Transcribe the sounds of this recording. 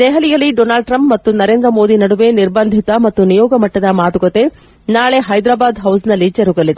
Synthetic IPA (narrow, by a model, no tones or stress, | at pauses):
d̪ɛɦɐlijɐlːiɖɔːnaːlɖ̚ʈɾɐmpmɐt̪ːunɐɾe̞ːnd̪ɾɐmo̞ːd̪inɐɽuʋe̞niɾbɐnd̪ʱit̪ɐmɐt̪ːunijɔːɡɐmɐʈːɐd̪ɐmaːt̪uɡɐt̪e̞ | naːɭe̞ɦɐjd̪ɾaːbaːd̪ɦɐws̬nɐlːid͡ʒɐɾuɡɐlid̪e